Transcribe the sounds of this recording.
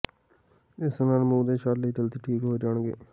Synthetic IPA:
ɪsnaːlmũːd̪eːʃaːɾliːʈəlt̪iːʈʰiːkɦoːid͡ʒaːɳ̃ɡḛː

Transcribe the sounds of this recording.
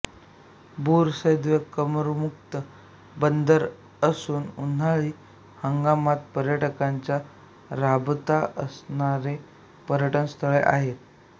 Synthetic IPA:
buɾsəjd̪ʋəkːəməɾmukt̪ə | bənd̪əɾ | əsuːnun̤aɭiː | həŋɡamat̪̚pəɾjəʈəkaɲt͡ɕja | ɾabt̪aəsɳaɾe | pəɾjəʈənst̪ʰəɭeʔa̰ɦet̪̚

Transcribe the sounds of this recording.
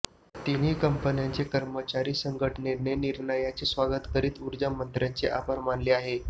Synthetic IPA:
t̪iniːkəmpənjant͡sekəɾmət͡ɕaɾiːsəŋɡʱəʈʰəɳeneniɾɳəjat͡siːsʋaɡət̪kəɾiːt̪uɾd͡ʑəmːənt̪ɾjant͡seʔa̰pəɾmanleaɦe

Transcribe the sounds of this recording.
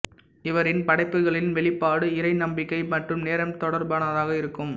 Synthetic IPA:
ɪʋɐɾɪnpɐɽɐɪpːɯɣɐɭɪnʋɛɭɪpːaːɽɯɪɾɐɪnɐmbɪkːɐɪmɐʈrɯmneːɾɐmt̪ɔɽɐɾbaːnɐðaːɣɐɪɾɯkːɯm

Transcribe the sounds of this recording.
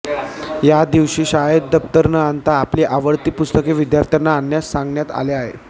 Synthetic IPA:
jad̪iʋɕiːɕajəd̪̚d̪əpt̪əɾnəant̪aːpliːʔaʋəɽt̪iːpust̪əkeʋid̪jaɾt̪ʰjanaːnːjasːãŋɡɳjat̪a̰leaɦḛ

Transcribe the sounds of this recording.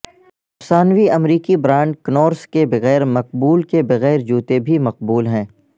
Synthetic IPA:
ɐpsaːnʋiɐmɾiːkibɾãːɳɖknɔːɾskebɐɣɛːɾmɐq̚buːlkebɐɣɛːɾd͡ʒuːt̪ebʱimɐq̚buːlɦɛ̃ː

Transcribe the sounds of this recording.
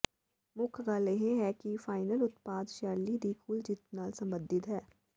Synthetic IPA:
mʊkʰɡaːleɦẽɦɛkifaːɪnəlʊt̪paːd̪ʃɛːɾlid̪ikʰuːld͡ʒɪt̪naːlsɐ̃mbə̃nd̪ɪd̪ɦɛː

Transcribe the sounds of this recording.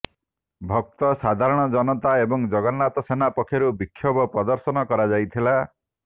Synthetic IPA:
bʱɔk̚t̪ɔsad̪ʱaɾɔɽ̃ɔd͡ʒɔnɔt̪aebɔŋd͡ʒɔɡɔnat̪ɔsenapɔkʰːjɔɾubikʰːjɔbɔpɾɔd̪ɔɾsɔnɔkɔɾad͡ʒajt̪ʰila

